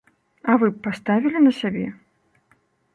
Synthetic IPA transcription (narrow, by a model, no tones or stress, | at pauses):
ɐvɨppːast̪avʲilʲinɐsʲabʲɛ